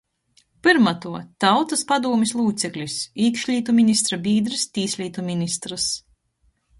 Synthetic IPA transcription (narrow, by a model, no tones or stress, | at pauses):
pɨɾmat̪uɔt̪awt̪aspad̪uɔmʲislˠuːt̪sʲɛklʲisiːkʃlʲiːt̪umʲinʲist̪ɾabʲiːd̪ɾɨst̪ʲiːsʲlʲiːt̪umʲinʲist̪ɾas